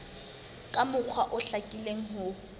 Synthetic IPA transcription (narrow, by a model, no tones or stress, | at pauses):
kʼamʊk͡xʰwaʔʊɬakʼileŋ̩ɦʊ